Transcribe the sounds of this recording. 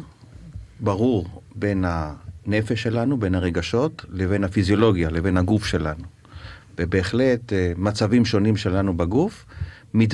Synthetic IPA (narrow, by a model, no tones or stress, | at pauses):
baʁuʁbe̞nhane̞feʃːe̞lanube̞nhaʁe̞ɡaʃo̞tleve̞nhafizjo̞lo̞ɡjale̞ve̞naɡufʃe̞lanu | vebe̞ːχle̞tmat͡savimʃo̞nimʃe̞lanubaɡuf | mit